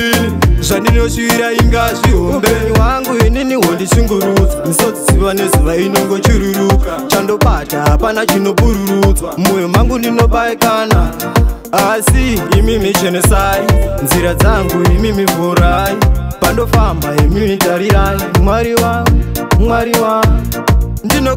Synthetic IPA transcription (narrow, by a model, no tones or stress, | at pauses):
ʐandino̞ʃiɾaiŋɡaʐiɦombeɲiwaŋɡuineniɦondisiŋɡuɾut͡sanisod͡zisiʋane̞zuʋaino̞ŋɡo̞t͡ʃiɾuɾukat͡ʃando̞ɓataɦapanat͡ʃino̞ɓuɾuɾut͡samujomaŋɡundino̞ɓakaːna | asiːmimit͡ʃenesainziɾad͡zaŋɡuimimivuɾaipando̞fambaimimitaɾiaimwaɾiwa | mwaɾiwa | ndino